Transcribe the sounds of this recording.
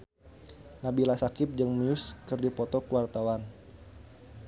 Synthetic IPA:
nabilasakɪp̚d͡ʒəŋmujʊskɨrdipɔt̪ɔkuwart̪awan

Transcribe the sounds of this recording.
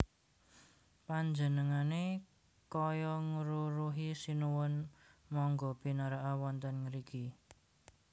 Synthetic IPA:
paɲd͡ʒənəŋane | kɔjɔŋuɾuɾuɦisinuwʊnmɔŋɡɔb̥i̤naɾaʔawɔnt̪ənŋəɾiki

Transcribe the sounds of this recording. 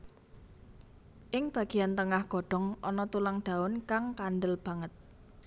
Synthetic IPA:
ʔɪŋb̥ä̤ɡ̥iant̪əŋahɡ̥ɔ̤ɖ̥ɔ̤ŋɔnɔt̪ulaŋɖ̪̥a̤ʊnkaŋkanɖəlb̥a̤ŋət̪̚

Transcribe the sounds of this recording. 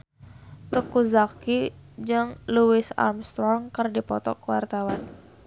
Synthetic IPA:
t̪əkuzakid͡ʒɨŋluɪsa̰rmst̪ɾɔŋkərdipɔt̪ɔ̰kəwart̪awan

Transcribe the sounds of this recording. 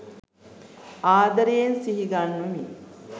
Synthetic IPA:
aːd̪ɐɾejensiɦiɡanːumi

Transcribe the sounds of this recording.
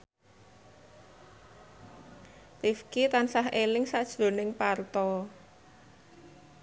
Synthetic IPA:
t̪ifkit̪ansaɦʔelɪŋsaʔd̥ʒ̥o̤nɪŋpart̪ɔ

